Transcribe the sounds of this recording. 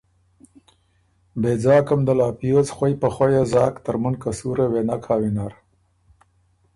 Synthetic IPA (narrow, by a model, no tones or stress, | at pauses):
beːd͡zɑːkamd̪alɑːpijot͡sxwajpaxwajazɑːkt̪əɾmʊnkasuɾewenakʰaːwinaɾ